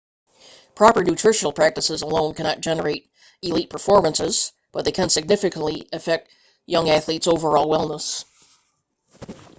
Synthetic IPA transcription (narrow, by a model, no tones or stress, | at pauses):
pʰɹ̥ɑpə˞nʉtʰɹ̥ɪʃɨl̩ˠpʰɹ̥æk̚tɨsɨzəlõʊ̃nkʰænɑt̚d̥ʒ̥ɛnə˞eɪɾ | ɨlit̚pʰə˞fɔɹmə̃nsɪz̥ | b̥ʌt̪̚ðeɪkʰɨ̃nsɨɡ̚nɪfɨkə̃n̩ʔliɨfɛk̚t̚ | jʌ̃ŋæθlitsoʊvə˞ɔlˠwɛlˠmnəs